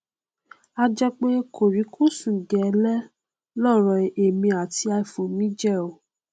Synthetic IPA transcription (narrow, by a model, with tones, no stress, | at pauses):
a˧d͡ʒɛ˧k͡pẽ˦e˦kʰo˨ɾi˨˦kʰu˦sũ˨ɡɛ˨˧˦lɛ˦ | lɔ˦˨ɾɔ˨e˨mĩ˧a˨ti˧a˧i˨fo˨mĩ˨˦d͡ʒɛ˦˨o˨